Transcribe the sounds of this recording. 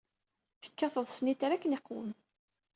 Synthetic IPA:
θə̥kːɑθəðˤsnit̪ɾækːneqːwəm

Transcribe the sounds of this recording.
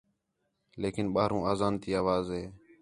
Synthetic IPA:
leːkɪnɓaːɾũːaːzaːnt̪ʰiːaːʋaːzɦeː

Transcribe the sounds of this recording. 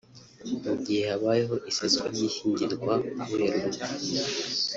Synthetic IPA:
ubɟiːhehaβaːjeɦo̞ʔisiskaɾjihiːɲɟiɾɡwahueɾuβu

